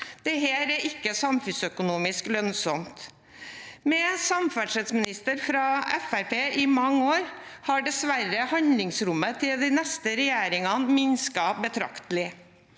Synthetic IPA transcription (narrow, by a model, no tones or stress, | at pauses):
d̪̥ɛɦeːɾæɾɪkːəsɑmfʉnsœkʊnuːmɪsklœnsɔmt̪ | mɛsɑmfæʂɛt̪smɪnɪst̪əɾfɾɑɛfæɾpʰeːʔɪmɑŋːoːɾhɑɖɛsʋæɾəhɑnlɪŋsɾʊmːət̪ʰɪld̪ɪnɛst̪əɾɛjæːɾɪŋɑnmɪnskɑbət̪ʰɾɑ̰kt̪əlɪ